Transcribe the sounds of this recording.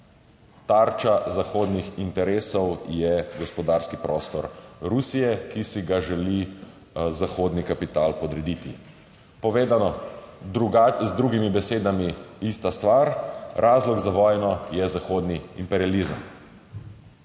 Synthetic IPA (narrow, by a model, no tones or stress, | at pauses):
t̪aɾt͡ʃazaxoːd̪nixint̪ɛɾeːsɔwjɛɡɔspɔd̪aːɾskipɾɔːst̪ɔɾɾusijɛkisiɡaʒɛli | zaxoːd̪nikapit̪aːlpɔd̪ɾɛd̪it̪i | pɔʋeːd̪anɔɾuzd̪ɾuɡimibɛseːd̪amiist̪ast̪ʋaɾɾʔaːzlɔɡzaʋɔjnɔjɛzaxoːd̪niimpɛɾializəm